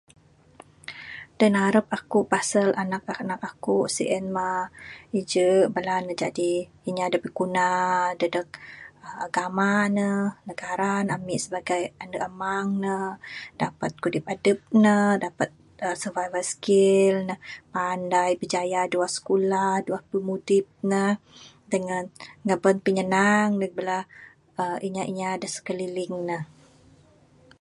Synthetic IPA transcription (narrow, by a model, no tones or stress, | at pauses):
d̥ənaɾəp̚akuʔpasəlʔanak̚anak̚akuʔsḭʔɛnmaid͡ʒəʔbəlanəd͡ʒadi | iɲadəpəɡunadədək̚əaɡamanənəɡaɾanamiʔsəbaɡajanəʔəmaŋnəd̥apat̪̚kudɪp̚adəp̚nədapat̪̚ | əsəvavəsə̥kɪlnəhpandajbəd͡ʒajaduahsə̥kulahduahpəmudɪp̚nə | dəŋənŋəbənpəɲənaŋlək̚bəla | əʔiɲaʔiɲaːdəsə̥kəlilɪŋnəh